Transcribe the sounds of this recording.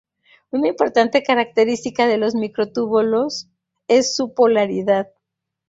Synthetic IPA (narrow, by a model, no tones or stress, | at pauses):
unaimpo̞ɾt̪ant̪e̞kaɾak̚t̪e̞ɾist̪ikaðe̞lo̞zmikɾot̪uβolo̞s | e̞sːupo̞laɾiðað